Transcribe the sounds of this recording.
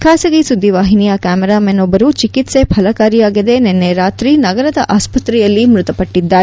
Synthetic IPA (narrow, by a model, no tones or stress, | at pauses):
kʰaːsɐɡisud̪ːiʋaːɦinijɐkaːmɛɾaːmenobːɐɾut͡ʃikit̪se̞pʰɐlɐkaːɾijaːɡid̪e̞nenːeɾaːt̪ɾinɐɡɐɾɐd̪ɐʔaːspɐt̪ɾɛjɐlːimɾut̪ɐpɐʈːid̪ːaːɾ